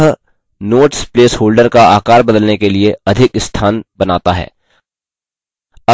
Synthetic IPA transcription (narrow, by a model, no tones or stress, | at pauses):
ɦ | noːʈspleːshoːlɖəɾkaaːkaːɾbɐd̪əlnekelieɐd̪ʱɪkɪst̪ʰaːnbɐnaːt̪aɦɛ̰ː | ɐ